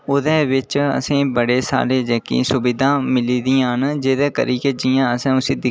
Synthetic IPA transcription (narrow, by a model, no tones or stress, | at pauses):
ʊd̪ɛːʋɪt͡ʃə̰sĩːbəɽeːsa̰ːɾeːd͡ʒeːkḭːsʊbɪd̪ãːmɪliːd̪ijãːɦənd͡ʒeːd̪ɛːkə̰ɾiːkeːd͡ʒijãːəsẽːʊseːd̪ɪ